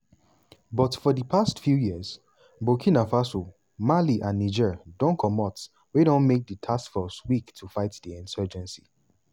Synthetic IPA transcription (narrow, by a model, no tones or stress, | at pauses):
bɔtfɔdəpʰastfjujiz | bokʰĩnafaso | maliʔãnːid͡ʒɛdõnkʰɔmɔt | weɾõnmek̚dətʰaskfɔswiktʰufaɪtdiɛ̃nsɜd͡ʒɛ̃nsi